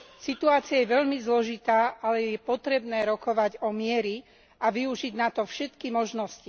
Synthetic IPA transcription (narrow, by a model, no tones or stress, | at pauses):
sit̪uaːt͡siajɛʋɛʎmizlɔʒit̪aːʔalɛjɛpɔt̪ɾɛbnɛːɾɔkɔʋaɟɔmɪɛɾi | ʔaʋiuʒiɟnat̪ɔfʃɛt̪kimɔʒnɔsci